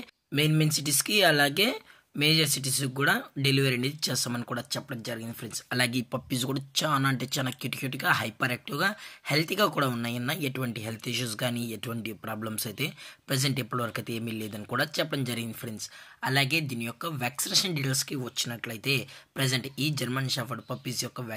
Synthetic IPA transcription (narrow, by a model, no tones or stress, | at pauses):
meːnmensiʈ̬iskiɐlaːɡe̞ː | meːd͡ʒɐɾsiʈ̬is̬kuːɽaːɖeliʋɐɾɐɳed̪it͡ʃɛːsaːmɐnikuːɽaːt͡ʃɛpːɐɽɐmd͡ʒɐɾiɡind̪ipʰɾensɐlaːɡeipɐpːis̬kuːɽaːt͡ʃaːnaɐɳʈeːt͡ʃaːnakjuʈikjuːʈiɡaːɦɐjpɐɾek̚ʈuɡaːhelt̪ʰiɡaːkuːɽaːunːaːjɐnːɐeʈuʋɐɳʈiɦelt̪ʰiʃ̬uːsɡaːniːeʈuʋɐɳʈipɾaːblɐmsɐjt̪e̞ːpɾed͡ʒeɳʈepːuɽɐʋɐɾɐkɐt̪eːmileːd̪ɐnikuːɽaːt͡ʃɛpːɐɽɐmd͡ʒɐɾiɡind̪ipʰɐɾensɐlaːɡe̞ːd̪iːnijɔkːɐʋaːksineːʃɐnɖiʈelskiʋɐt͡ʃːinɐʈlɐjt̪e̞ːpɾed͡ʒɐɳʈiːd͡ʒɐɾmɐnʃaːpɐɖpɐpːisjɔkːɐʋ